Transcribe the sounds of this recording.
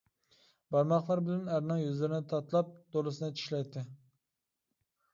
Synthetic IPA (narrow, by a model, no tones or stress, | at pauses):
bɑɾmɑχlˠɑɾbɪlɛnæɾnɨŋjyzlɪɾɪnɪt̪ʰɑt̪lˠɑp̚d̪̥olˠɨsɪnɨt͡ʃʰi̥ʃlɛjt̪ʰːɪ